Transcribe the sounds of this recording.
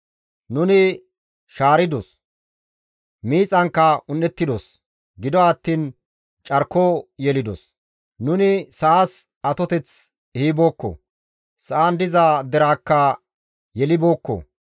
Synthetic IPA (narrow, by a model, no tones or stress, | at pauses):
nʊnɪ | ʃaːɾɪd̪ɔs | miːt͡sʼɐŋkːɐʊnːɛt̪ːɪd̪ɔs | ɡɪd̪ɔɐt̪ːiːn | t͡ʃʼɐɾkojɛlɪd̪ɔ̰s | nʊnɪsɐas | ɐt̪ɔt̪ɛt͡s | hiːboːkːɔ̰ | sɐʔand̪ɪzaːd̪ɛɾaːkːɐ | jɛlɪbo̞ːkːɔ̰